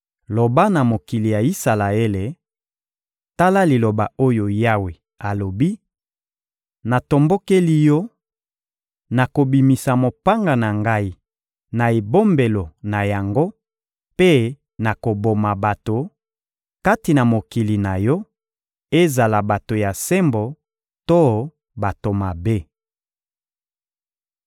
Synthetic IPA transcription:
lo˨ba˦na˨mo˨ki˨li˨ja˨i˦sa˨la˨e˦le˨ | ta˦la˦li˨lo˨ba˨o˦jo˨ja˦we˨ | a˨lo˨bi˦ | na˨to˨mbo˦ke˦li˦jɔ˦ | na˨ko˨bi˨mi˨sa˨mo˨pa˦ŋɡa˨na˨ŋɡa˦i˦ | na˨e˨bo˦mbe˨lo˨na˨ja˨ŋɡo˦ | pe˦ | na˨ko˨bo˨ma˨ba˨to˨ | ka˦ti˨na˨mo˨ki˨li˨na˨jɔ˦ | e˦za˨la˨ba˨to˨ja˨se˦mbo˨ | to˦ | ba˨to˨ma˨be˦

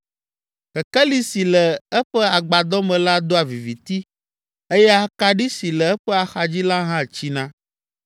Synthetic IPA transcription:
kɛ˨kɛ˦li˨˦si˨lɛ˨ɛ˦ɸɛ˦a˨ɡ͡ba˨d̪ɔ˦mɛ̃˨la˦d̪o˦a˨vi˨vi˨t̪i˦ | e˦jɛ˦a˦˨ka˨ɖi˦si˨lɛ˨ɛ˦ɸɛ˦a˨xa˨d͡ʑi˦la˦ɦã˦˨t͡ɕi˦nã˦

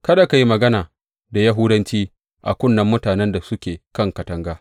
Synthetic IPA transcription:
kɐ˦da˨ka˨ji˦mɐ˨ɡɐ˦naː˨ | da˨ja˦ɦʊ˦dɐ˦nt͡ʃiː˦ | ʔa̰˨kʷʊ˦nːɐ˦mːʊ˦taː˨nɛ˦nda˨sʊ˦kʲeː˨kɐ˦˨ŋkɐ˨tɐ˦ŋɡaː˦

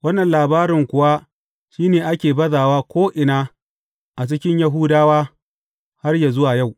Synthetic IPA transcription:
wɐ˦nːɐ˨nlaː˨baː˦ɾɪ˨ŋkʷʊ˨wa˦ | ʃiː˦neː˨ʔa˦kʲeː˨bɐ˦zaː˨waː˦kʷoː˦ʔɪ˨naː˦ | ʔa˨t͡ʃɪ˦kʲɪ˦ɲja˦ɦuː˦daː˦waː˦ | ha˦rja˨zʊ˦waː˨ja˦˨w

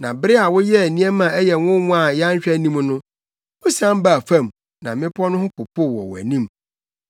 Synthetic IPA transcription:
nã˨bɪ˦ɾɪ˦a˨wʊ˦jɛ˦æ˨nĩ˦ɛ˦mã˨ɛ˦jɛ˨wʊ̃˦wʊ̃˦a˨ja˦ɲ˦ɕᶣæ˦nĩ˦m˦nʊ̃˦ | wʊ̃˦sã˦m˦ba˨fã˦˨m | nã˨mɪ̃˦pʰɔ˦nʊ̃˦hʊ̃˦kʰʊ˨pʰʊ˦˨wɔ̰˨wæ̰˨nĩ˦˨m

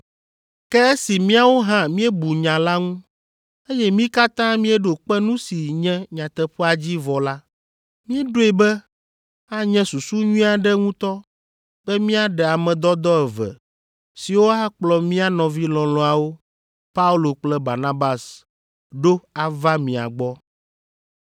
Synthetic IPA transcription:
kɛ˦e˦si˨mĩ˦a˨wo˦ɦã˦mĩ˦ɛ˦bu˨ɲã˨la˦ŋũ˦ | e˦jɛ˦mĩ˦ka˦t̪ã˦mĩ˦ɛ˦ɖo˨k͡pɛ˦nũ˦si˨ɲɛ̃˦ɲã˨t̪ɛ˨ɸɛ˦a˨d͡ʑi˦vɔ˨la˦ | mĩ˦ɛ˦ɖo˦ɛ˨bɛ˦ | a˦ɲɛ̃˦su˨su˦ɲũ˦a˨ɖɛ˦ŋũ˦t̪ɔ˦ | b̥ɛ˦mĩ˦a˦ɖɛ˨a˨mɛ̃˨d̪ɔ˦d̪ɔ˦ɛ˨vɛ̰˨ | si˨wo˦a˦k͡plɔ˨mĩ˦a˦nɔ̃˨vi˦lɔ̃˨lɔ̃˨˦a˨wo˦ | pa˦u˦lo˨k͡plɛ˦ba̰˨nã˦ba˨s | ɖo˦a˨va˦mĩ˨a̰˨ɡ͡bɔ˦

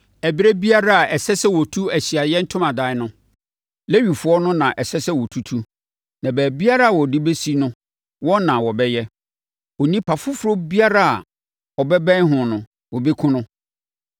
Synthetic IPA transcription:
æ˨bi˦ɾe˦bi˦a˦ɾa˦a˨ɛ˨sɛ˦sɛ˦wɔ˨tʰu˦æ˨ɕi˨a˨jɛ˦n̩˦tʰʊ̃˦mã˨da˨˦nʊ̃˦ | le˦ɥi˨fʊ˨˦ɔ˦nʊ̃˦nã˨ʔɛ˨sɛ˦sɛ˦wɔ˨tʰu˦tʰu˦ | nã˨bæː˨bi˦a˦ɾa˦a˨wɔ˨dɪ˦be˦si˦nʊ̃˦ | wɔ̃˦nã˨wɔ˨bɛ˦jɛ˦ | ɔ˨nĩ˦pʰa˨fʊ˦fʊ˦ɾo˦bi˦a˦ɾa˦a̰˨ | ɔ˨bɛ˦bɛ̃˦n˦ɦʊ̃˨nʊ̃˨ | wɔ˨be˦kʰʊ̃˦nʊ̃˦

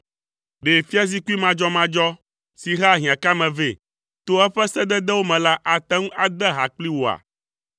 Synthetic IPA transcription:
ɖe˨fi˦a˦zi˦ku˦i˦mã˨d͡ʒɔ˦mã˦d͡ʒɔ˦ | si˨ɦa˦˨ɦĩ˨ã˨ka˦mɛ̃˨ve˦ | t̪o˦ɛ˦ɸɛ˦sɛ˦d̪ɛ˦d̪ɛ˦wo˦mɛ̃˨la˦ʔa˨t̪ɛ˦ŋũ˦ʔa˨d̪ɛ˦ɦa˨k͡pli˦wo˨a̰˨

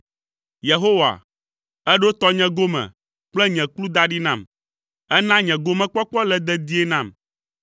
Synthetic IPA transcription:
je˨ɦo˦wa̰˨ | ɛ˦ɖo˦t̪ɔ˦ɲɛ̃˨ɡo˦mɛ̰̃˨ | k͡plɛ˦ɲɛ̃˨klu˦d̪a˦ɖi˦nã˦˨m | ɛ˦nã˦ɲɛ̃˨ɡo˦mɛ̃˦k͡pɔ˦k͡pɔ˦lɛ˨d̪ɛ˦d̪i˦e˦nã˦˨m

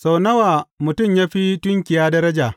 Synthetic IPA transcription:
sa˨wnɐ˦waː˨mʊ˨tʊ˦˨mjaː˦ɸi˦tʊ˦ŋkʲɪ˨jaː˦dɐ˦ɾɐ˦d͡ʒaː˨

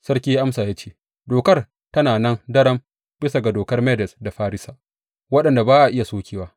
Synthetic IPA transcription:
sɐ˦rkʲiː˦jʔa˦msaː˨jaː˦t͡ʃeː˦ | doː˨kɐ˦r | tɐ˦naː˨nɐ˦ndɐ˦ɽɐ˦m | b̥ɪ˦sa˨ɡa˨doː˨kɐ˦rmɛ˦dɛ˨sda˨ɸaː˦ɾɪ˦sa˨ʔ | wɐ˦ɗɐ˨nda˨baː˦ʔa˨ʔɪ˦ja˨soː˦kʲeː˨waː˦

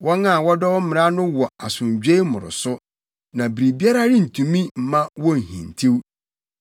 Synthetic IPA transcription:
wɔ˦nã˦˨wɔ˦dɔ˦wɔ˦m̩˦mɪ̃˨ɾa˦nʊ̃˦wɔ˨a˨sʊ̃˨ɲd͡ʑᶣe˦i˦mʊ̰̃˨ɾʊ̰˨sʊ˦ | nã˨bɾi˨bi˦a˦ɾa˦ɾɪ˦n̩˨tʰũ˨mĩ˦m̩˨mã˦wɔ̃˦n̩˨hḭ̃˨n˨tʰi˦w

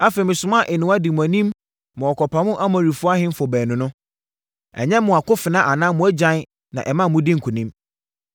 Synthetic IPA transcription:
a˦fe˨mɪ̃˨sʊ˨m˦a˦˨ʔɪ˨nʊ̃˨˦a˦dɪ˨m˨æ˨nĩ˦m | mɔ̃˨ɔ˨kʰɔ˨pʰa˨mʊ̃˦ʔa˦mã˨ɾi˨fʊ˦a˦hɪ̃˦m̩˦fɔ˨bɛː˨nʊ̃˨nʊ̃˦ | ɛ̰˨ɲɛ̃˦mʊ̃˨a˨kʊ˦fɪ˨nã˦ʔa˨nã˦mʊ̃˨˦æ˦d͡ʑã˦n˦ | nã̰˨ʔɛ˨mã˦˨mʊ̃˦dɪ˦ŋ̩˨kʰu˨nĩ˦m

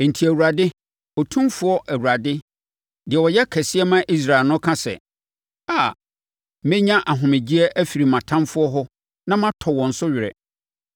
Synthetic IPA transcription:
n̩˨tʰi˨æ˨wu˨ɾa˨dɪ˦ | ɔ˨tʰũ˦mfʊ˦ɔ˦ʔæ˨wu˨ɾa˨dɪ˦ | dɪ˨ɛ˨wɔ˨jɛ˦kʰɛ˨sɪ˦ɛ˦mã˦ʔi˦s̬ɾa˨lnʊ̃˦kʰã˦sɛ̰˨ | a˨˦ | mɪ̃˦ɲã˦ʔa˨ɦʊ̃˨mɪ̃˨d͡ʑi˦ɛ˦ʔæ˦fi˨ɾi˨mã˨tʰã˦mfʊ˦ɔ˦ɦʊ˦ | nã˦mã˦tʰɔ˨wɔ̃˨n̩˨sʊ˦ɥɪ˨ɾɛ̰˨

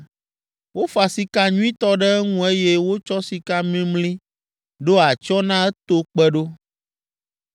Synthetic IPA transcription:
wo˦fa˨si˨ka˦ɲũ˦ĩ˦t̪ɔ˦ɖɛ˦ŋũ˦e˦je˦wo˦t͡ʃɔ˦si˨ka˦mĩ˦mlĩ˦ | ɖo˦a˨t͡ʃɔ˦nã˦ɛ˦t̪o˦k͡pɛ˦ɖo˦

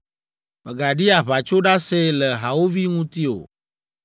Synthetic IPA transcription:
me˨ɡa˨ɖi˦a˨βa˨t͡ʃo˦ɖa˦se˦lɛ˨ɦa˨wo˦vi˦ŋũ˦t̪i˦o̰˨

